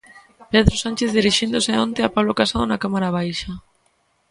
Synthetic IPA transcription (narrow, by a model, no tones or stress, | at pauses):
peðɾosanʲt͡ʃeθðiɾiʃind̪oseõnt̪ɪapaβlokasaðonakamaɾaβ̞ajʃɐ